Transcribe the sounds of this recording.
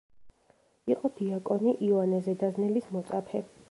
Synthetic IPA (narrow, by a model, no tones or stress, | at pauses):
iqʼɔb̥̪iakʼɔniʔiɔanɛzɛd̪aznɛlismɔt̪sʼapʰɛ